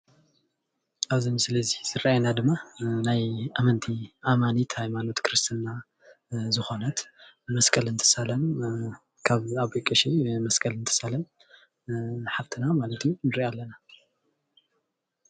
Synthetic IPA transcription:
ʔaβzimɨsɨlɐziz̥ɨɾaajenad̪ɨmːanajamɐnt̪ʰiʔamanit̪hajmano̞t̪kʰɨɾɨst̪ʰina | zɨxo̞nɐt̪ | mɐskʼɐlɨnt̪ʰɨ̥salɐn | kʰaβaβikʼːɐʃimɐskʼɐlɨnt̪ʰɨ̥salɐn | ħaβt̪ʰɨnamalɐt̪ʰjunɨɾialːɐna

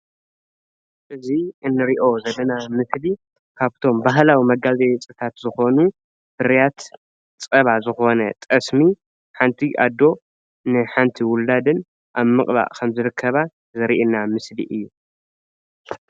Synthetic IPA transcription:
ʔɨziɨnːɨɾiʔo̞zɐlːɐnamɨsli | kʰaβt̪ʰo̞mbaɦlawimɐɡazejt͡sʼɨt̪ʰat̪zɨxo̞nu | b̥ɨɾjat̪ | t͡sʼɐβazɨxo̞nɐt̪ʼɐsmi | ħant̪ʰiʔa̰d̪ːo̞ | nɨħant̪ʰiwʊlːad̪ɨn | ʔaβmɨkʼba̰ʔkʰɐmzɨɾɨkʰːɐβa | zɨɾiʔinamɨslḭʔɨjːu

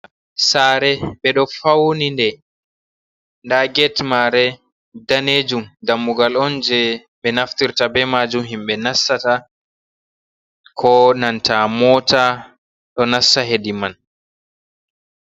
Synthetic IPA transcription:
saɾɛɓɛɗɔfawnindɛ | ndaɡɛtmaɾɛ | daned͡ʒumdamːuɡalɔnd͡ʒɛ | ɓɛnaftiɾtabɛmad͡ʒumɦimɓɛnasːata | kʰɔnantamɔːta | ɗɔnasːaɦediman

